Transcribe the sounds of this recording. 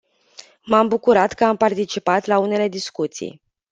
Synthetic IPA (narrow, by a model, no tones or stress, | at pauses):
mambukuɾat̪kəampart̪it͡ʃipat̪laune̞le̞d̪iskut̪sḭj